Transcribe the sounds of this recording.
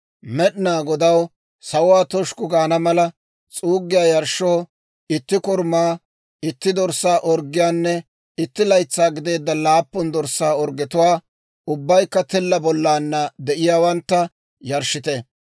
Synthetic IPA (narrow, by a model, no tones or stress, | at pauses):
mɛɗɪnaːɡɔd̪ɐw | sɐwʊwaːt̪ɔʃkʊɡaːnɐmɐlɐ | t͡sʼuːɡːɪjaːjɐɾʃoː | ɪt̪ːɪkɔɾmaː | ɪt̪ːɪd̪ɔɾsaːʔɔɾɡɪjaːnːɛ | ɪt̪ːɪlɐjt͡sːaːɡɪd̪e̞ːd̪ːɐlaːpːɔnd̪ɔɾsaːɔɾɡɪt̪ʊwaː | ʊbːɐjkːɐt̪ɪlːɐbɔlːaːnːɐd̪ɛʔɪjaːwɐnt̪ːɐ | jɐɾʃɪt̪ɛ